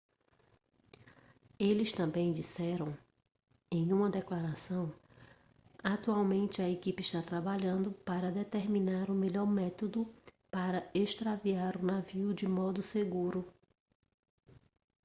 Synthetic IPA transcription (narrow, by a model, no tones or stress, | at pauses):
elɪst̪ɐ̃bẽj̃d͡ʒisɛɾɐ̃w̃ | ẽj̃ũmɐd̪ɛklaɾasɐ̃w̃ | at̪uawmẽnt͡ʃɪɐekipɪɪʃt̪at̪ɾabaʎɐ̃nd̪ʊpaɾɐd̪et̪eɾmĩnaɾʊmeʎɔɾmɛt̪od̪ʊpaɾɐeʃt̪ɾaviaɾʊnaviʊd͡ʒɪmɔd̪ʊseɡuɾʊ